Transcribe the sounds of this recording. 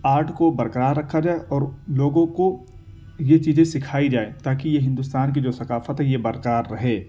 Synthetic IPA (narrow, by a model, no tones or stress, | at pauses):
aːɾʈʰkobɐɾkəɾaːɾɾɐkʰːad͡ʒaːeʔɔːɾloːɡõko | jet͡ʃiːzẽsɪkʰaːid͡ʒaːet̪aːkijeɦɪ̃nd̪ʊst̪aːnk̬id͡ʒoːsɐkaːfət̪ɦɛjebɐɾkɾaːɾːɐɦeː